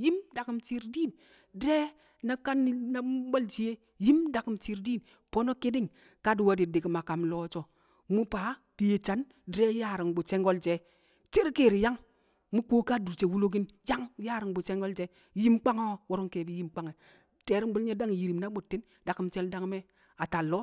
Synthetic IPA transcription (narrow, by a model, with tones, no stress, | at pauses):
ji˦mda˨ki˨mt͡ʃi˦ɾdi˦˨n | dɾe˦ | na˦ka˦nːi˦na˦ɓo˦lt͡ʃi˨˦je˦ | ji˦mda˨ki˨mt͡ʃi˨ɾdiː˦n | po˦no˦ki˦di˦ŋ | ka˦du˨wa˦di˨di˨ki˨ma˨ka˨mloː˦t͡ʃo˨ | mu˦pa˨˦ | d̥i˨je˨t͡ʃa˨n | dɾe˦ja˦˨ɾi˨ŋbu˨t͡ʃe˦ŋɡo˦ld͡ʒe˨˦ | t͡ʃe˦ɾkeː˦˨ɾi˨ja˦ŋ | mu˦koː˦ka˦du˨ɾt͡ʃe˨wu˦lo˦ɡ̬i˦n | ja˦ŋja˦˨ɾi˨ŋbu˨t͡ʃe˦ŋɡo˦ld͡ʒe˨˦ | ji˦mk͡pa˦ŋo˦o˦wo˦ɾo˦ŋke˨bi˦ji˦mk͡pa˦ŋe˨ | te˨ɾi˦m˦bu˦lɲe˦da˦ŋ˨ji˨ɾi˨mna˦ɓu˨tːi˦n | da˨ki˨mt͡ʃe˦lda˦ŋ˦me˦ | a˨ta˨lːo˦